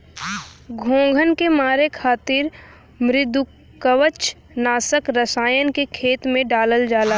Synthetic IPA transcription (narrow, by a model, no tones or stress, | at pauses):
ɡʱõːɡʱənkemaːɾekʰaːt̪ɪɾ | mɾɪd̪u | kəʋət͡ʃ | naːsəkɾəsaːjənkekʰeːt̪mẽɖaːləld͡ʒaːlaː